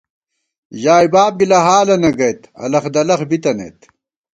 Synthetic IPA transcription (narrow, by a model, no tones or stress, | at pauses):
ʑaːjbaːb̚bilɐɦaːlɐnɐɡɐjt̪ɐ̰lɐxd̪ɐlɐxbit̪ɐnḛjt̪